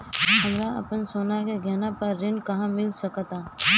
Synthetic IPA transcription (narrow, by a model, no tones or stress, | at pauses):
hɐmɾaɐ̰pənsoːnakeɡʱɛnapɐɾːɪnkɐɦãmɪlsɐkt̪aː